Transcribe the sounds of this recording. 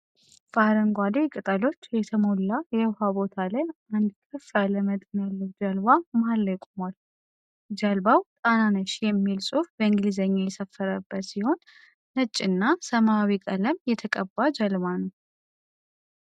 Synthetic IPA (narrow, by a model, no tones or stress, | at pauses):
faɾəŋɡʷad̪ekʼɨt̪ʼalo̞t͡ʃːjɛt̪ʰəmolːajɛwhabo̞t̪ʰalajand̪kʰəfaləmət̪ʼɨnalːəwd͡ʒəlbamalːəjkʼomal | d͡ʒəlbawt̪ʼananəʃjɛmːilsʼufbəɨŋɡlizəɲːajɛsəfːəɾəbːət̪siho̞nː | ət͡ʃʼːɨnːasəmawikʼələmjɛt̪ʰəkʼəbːad͡ʒəlβanu